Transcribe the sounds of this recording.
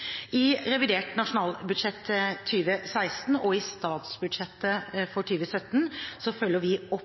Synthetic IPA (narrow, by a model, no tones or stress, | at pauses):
ɪɾɛʋɪd̪eːʈnɑʂʊnɑːlbʉd̪ʂɛt̪ʰːyːʋəsæɪst̪n̩ɔɪst̪ɑːt̪sbʉd̪ʂɛt̪ːəfɔʈʰyːʋəsœt̪ːnsɔfœlːəʋɪɔp